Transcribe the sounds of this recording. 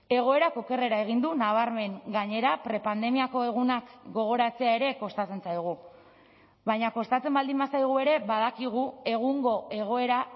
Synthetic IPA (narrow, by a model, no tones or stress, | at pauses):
e̞ɣ̞o̞e̞ɾako̞ke̞re̞ɾae̞ɣ̞ind̪unaβ̞aɾme̞ŋɡaɲe̞ɾapɾe̞pand̪e̞miako̞e̞ɣ̞unakɡo̞ɣ̞o̞ɾat͡se̞ae̞ɾe̞ko̞st̪at͡se̞nsajɣ̞u | βajɲako̞st̪at͡se̞mbald̪imbasajɣ̞ue̞ɾe̞βaðakiɣ̞ue̞ɣ̞uŋɡo̞e̞ɣ̞o̞e̞ɾa